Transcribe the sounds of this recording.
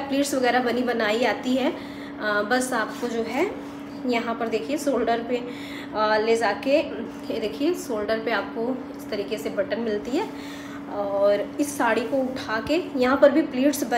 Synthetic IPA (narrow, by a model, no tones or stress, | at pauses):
pliːʈsʋɐɣɛːɾabɐnibɐnaːiaːt̪iɦɛː | bɐsaːpkod͡ʒoːɦɛ | jɐɦãpɐɾd̪eːkʰiesoːlɖəɾpe | led͡ʒaːke | ed̪eːkʰiesoːlɖəɾpeaːp̚ko | ɪst̪ɐɾiːkesebɐʈənmɪlt̪iɦɛː | ɔːɾɪsːaːɽikoʊʈʰaːkejɐɦãpɐɾbʱipliːʈsbɐ